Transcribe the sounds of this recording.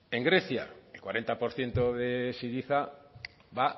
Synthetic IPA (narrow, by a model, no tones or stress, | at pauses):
e̞ŋɡɾe̞θja̰elkwaɾe̞nt̪apo̞ɾθje̞nt̪oðesiðiθa | βa